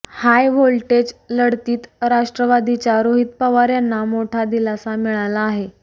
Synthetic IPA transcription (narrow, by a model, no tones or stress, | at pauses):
hajʋolʈed͡zləɽt̪iːt̪ɾaʂʈɾəʋad̪it͡ɕaɾoɦit̪̚pəʋaɾjanːamoʈʰad̪ilasamiɭalaːɦe